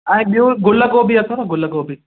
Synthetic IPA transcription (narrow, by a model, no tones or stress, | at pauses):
ɛ̃ːɓijoɡʊləkobʱiɐt̪ʰonɐɡʊləkobʱi